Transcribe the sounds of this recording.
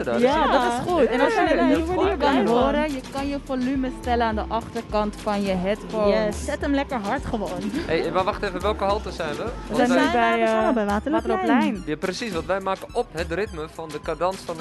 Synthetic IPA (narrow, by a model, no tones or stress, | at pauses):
ədɔjadɔtɪsχutɛnɔlˠsjənɛniikɑnɦoːɾəjəkɑnjəfolyməstɛlənaːndəʔɑχtərkɑntfɑnjəɦɛtfosɛtəmlɛkəɹɦɑɹtχəʋoːnhejmaʋɑxtəevəʋɛlˠkəɦɔlˠtəsɛjnʋəəsɛnibɛjbɛʋaːtəaːtəoplɛjnjaprəsisʋɔ̃ntʋɛjmaːkəɔpɦətrɪtməfɔndəkadɑnsfɔnə